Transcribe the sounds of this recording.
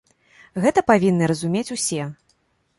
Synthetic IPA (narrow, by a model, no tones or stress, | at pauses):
ɣɛt̪ɐpavʲinːɨɾɐzumʲet͡sʲusʲɛ